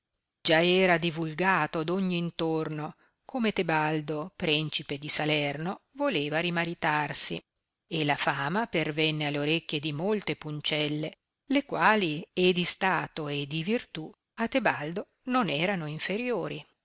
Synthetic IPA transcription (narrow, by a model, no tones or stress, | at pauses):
d͡ʒaɛːɾad̪ivulɡaːt̪od̪oɲːiːnt̪orno | kʰomet̪ebald̪opɾint͡ʃiped̪isalɛrnovoleːvaɾimaɾit̪arsḭ | elafaːmapervɛnːealːeoɾekʲːjed̪imolt̪epunt͡ʃɛlːe | lekwaːlied̪ist̪aːt̪oed̪ivirt̪u | at̪ːebald̪o | nonɛːɾanoiɱfeɾjoːɾi